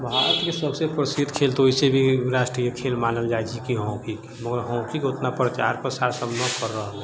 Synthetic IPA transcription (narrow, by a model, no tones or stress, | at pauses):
bʱaːɾət̪kesəbsepɾəsid̪kʰelt̪ooɦisebʱiɾaːʃʈɾijəkʰelmaːnəld͡ʒajd͡ʒʰikiɦõkik | məɡəɾɦə̃w̃kikot̪napɾət͡ʃa̰ɾpɾəsaɾsəbnəkəɾːəɦəlɛ